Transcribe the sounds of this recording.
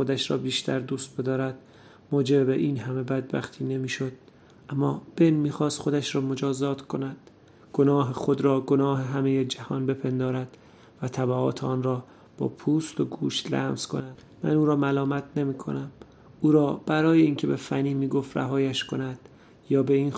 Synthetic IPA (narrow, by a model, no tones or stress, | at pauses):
xo̞d̪æʃɾɒ̰ːbiːʃt̪ʰæɾd̪uːst̪̚b̥e̞d̪ɒːɾæd̪̥̚ | moːd͡ʒebbeʔiːnɦæme̞bæd̪̚bæ̰χt̪ʰiːne̞miːʃo̞d̪̥̚ | ʔæmːɒːb̥enmiːxɒːst̪xo̞d̪æʃɾɒːmod͡ʒɒːzɒːt̪ʰkʰo̞næd̪̥ | ɡ̥o̞nɒːɦexo̞d̪ɾɒːɡo̞nɒːɦeɦæme̞jed͡ʒæhɒːnbe̞pʰe̞nd̪ɒːɾæd̪̥ | væt̪ʰæbæɒ̰ːt̪ʰeɒːnrɒː | b̥ɒ̰ːpʰuːst̪o̞ɡuːʃt̪læ̰ːmz̥kʰo̞̰næd̪ | mæ̰nuːɾɒːmælɒːmæt̪ʰne̞miːkʰo̰næm | uːɾɒːb̥æɾɒːje̞iːŋcʰe̞be̞fæniːmiːɡo̞ft̪ræ̰ɦɒːjæʃkʰo̞næd̪̥ | jɒːbe̞iːn